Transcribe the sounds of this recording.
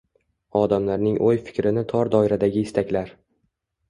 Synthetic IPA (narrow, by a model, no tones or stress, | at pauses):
ɒd̪amlaɾnɪŋʔojfɪ̥kʲɾɪnɪt̪ʰɒɾd̪ɒɪɾad̪aɡʲɪɪst̪ʰakʲlaɾ